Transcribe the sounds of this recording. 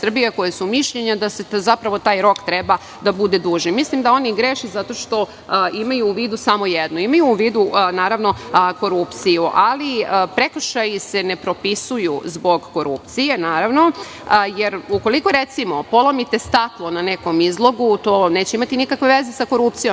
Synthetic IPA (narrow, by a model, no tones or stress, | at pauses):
sr̩bijako̞jesumiʃʎeɲad̪asezapɾaʋo̞t̪aːjɾo̞kt̪ɾeba | d̪abud̪e̞d̪uːʒnimislimd̪ao̞niɡɾeʃezat̪o̞ʃt̪o̞ | imajuːʋiːd̪usamo̞jed̪nuimajuːʋiːd̪unaːɾaʋno̞ko̞ɾupt̪sijuʔaliəpɾekr̩ʃajise̞nepɾo̞pisujuzbo̞ɡːo̞ɾupt̪sije̞naːɾaʋno̞ | jeɾuko̞liko̞ɾet̪simo̞po̞lˠomit̪e̞st̪at̪lˠo̞naneko̞mizlˠo̞ɡut̪oːneːt͡ɕeimat̪inikakʋe̞ʋe̞ze̞sako̞ɾup̚t̪sijo